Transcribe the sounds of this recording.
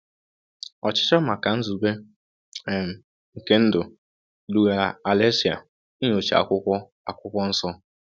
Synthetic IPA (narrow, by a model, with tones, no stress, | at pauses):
ɔ˨t͡ʃɪ̥˦t͡ʃɔ˦ma˨ka˨n̩˦zu˨be˦ | e˨m̩˨ | ŋ̩˨ke˦n̩˦dʊ˨ | du˨ɣa˨a˨a˨le˦si˨a̰˨ | i˦ɲ˦o˨t͡ʃa̰˨kʷʊ˦kʷɔ˦ | a˨kʷʊ˦kʷɔ˦n̩˦sɔ˦